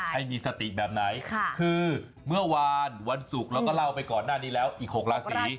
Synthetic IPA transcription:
ha˥˩jmiː˧sa˧t̪i˨˩bɛː˨˩p̚na˩˦jʰkʰɯː˧ | mɯ˥˩ɐwa˧nwa˧nsu˨˩k̚lɛː˦˥wkɔː˥˩la˥˩wpa˧jkɔː˨˩nːaː˥˩niː˦˥lɛː˦˥wʔiː˨˩k̚ho˨˩k̚ɾaː˧siː˩˦

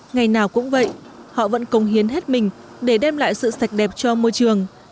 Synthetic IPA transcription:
ŋa˨˩jnaː˨˩wkʊ̰˧˥ŋ͡mvə̰˧˨j | hɔ̰˧˨və̰˧˥nkə˨˦wŋ͡mhi˨˦ənɦe˦˥t̚mï˨˩ŋ̟ | ɗe˧˩ɗɛ˧mla̰ː˧˨jsɨ̰˧˨sa˨˩jk̟̚ɗɛ˨˩p̚t͡ɕɔ˧mo˧jt͡ɕɨ˨˩əŋ

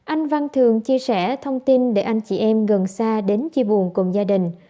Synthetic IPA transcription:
ʔa˧jŋ̟va˧nt̪ʰɨ˨əŋt͡ɕi˧əsɛ˧˩t̪ʰə˧wŋ͡mt̪i˧nɗe˧˩ʔa˧jŋ̟t͡ɕḭ˧˩ʔɛ˧mɣə˨˩nsaː˧ɗe˨˦nt͡ɕi˧ɓu˨˩ənkʊ˨˩ŋ͡mzaː˧ɗï˨˩ŋ̟

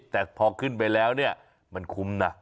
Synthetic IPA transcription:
t̪ɛː˨˩pʰɔː˧kʰɯ˥˩np̬a˧jlɛː˦˥wni˥˩ɐ | ma˧nkʰu˧˦mna˦˥

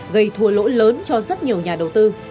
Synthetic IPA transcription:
ɣə˧˩jt̪ʰu˧˩əlo̰˧˥ləː˨˦nt͡ɕɔ˧zə˦˥t̚ɲi˨˩əwɲaː˨˩ɗə˨˩wt̪ɨ˧

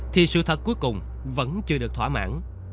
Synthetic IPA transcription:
t̪ʰi˨˩sɨ̰˧˨t̪ʰə˨˩t̚kːu˦˥jkʊ˨˩ŋ͡m | və̰˧˥nt͡ɕɨ˧əɗɨ˨˩ək̚t̪ʰwaː˧˥ma̰ː˧˥n

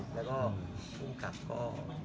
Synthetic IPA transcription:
lɛː˦˥wkɔː˥˩kʰu˥˩ŋkʰa˨˩p̚kɔː˥˩

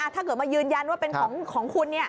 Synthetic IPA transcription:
ʔa˨˧˩t̪ʰaː˥˩kɤː˨˩t̪̚maː˧jɯː˧nja˧nwaː˥˩pe˧nkʰɔː˩˦ŋkʰɔː˩˦ŋkʰu˧nːi˥˩ɐ

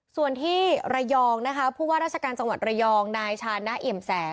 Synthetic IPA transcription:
su˨˩ənt̪ʰiː˥˩ɾa˧jɔː˧ŋna˦˥kʰa˦˥pʰuː˥˩waː˥˩ɾaː˥t̪̚t͡ɕʰa˧kaː˧nt͡ɕa˧ŋwa˨˩t̪̚ɾa˧jɔː˧ŋnaː˧jt͡ɕʰaː˧nːa˦˥ʔi˨˩msɛː˩˦

